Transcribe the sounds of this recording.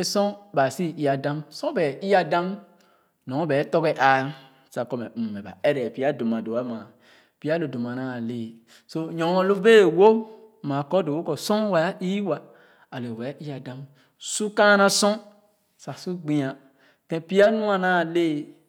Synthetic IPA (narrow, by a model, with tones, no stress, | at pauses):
e˨sɔ̃˦ba˨si˦i˨a˨dã˦msɔ̃˦bɛ˨˦i˦a˦dã˦m | nɔ̃˨˦bɛ˨˦tɔ˦ɡɛ˨ʔa˨ | sa˨kɔ˨mɛ˨mɛ˨ba̰˨ɛ˦ɾɛ˨pi˦a˦do˨mã˨do˨a˦mã˨ | pi˦a˦lo˨do˨ma˨nã˦˨le˦˨ | so˦ɲɔ̃˨˦ɔ̃˦lo˦be˦˨wo˦ | mã˨kɔ˦do˨wo˦kɔ˨sɔ̃˦wa˨ja˦ʔi˦wa˨ | a˨lo˨wɛ˨˦i˦a˨dã˦m | su˦kã˦nã˦sɔ̃˦ | sa˨su˦ɡ͡bĩ˨˦ã˨ | tɛ̃˦pi˦a˦nũ˦a˨nã˦˨le˦